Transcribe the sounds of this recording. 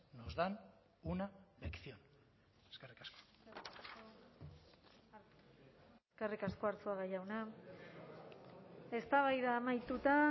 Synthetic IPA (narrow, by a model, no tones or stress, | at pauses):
nozðan | unabeksion | eskerikasko | skerikasko̞aɾt͡suaɣajawna | e̞st̪aβajðaːmajt̪ut̪a